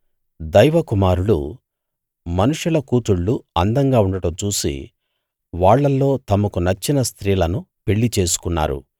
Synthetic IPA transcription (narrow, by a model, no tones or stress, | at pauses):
d̪ɐjʋɐkumaːɾulṵ | mɐnuʂulɐkuːt̪uɭːuɐnd̪ɐŋɡaːuɳɖɐɽɐmt͡ʃuːsḭ | ʋaːɭːɐlːo̞ːt̪ɐmɐkunɐt͡ʃːinɐst̪ɾiːlɐnupe̞ɭːit͡ʃe̞ːsu̥kunːa̰ːɾṵ